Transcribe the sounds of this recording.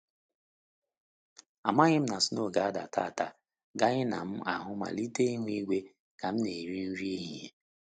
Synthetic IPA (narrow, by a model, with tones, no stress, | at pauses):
a˨ma˦ɣɪ˦m̩˦na˨si˦no˦˨ɡa˨a˦da˨tʰa̰˦˨ta˦ | ɡa˦ɣɪ˦na̰˨m̩˦a˨ɦʊ˦ma̰˨li˦te˦i˦ŋʷ˦i˦ɡʷe˦ | ka˨m̩˦ne˨ɾi˦n̩˦ɾi˦e˦ɦe˦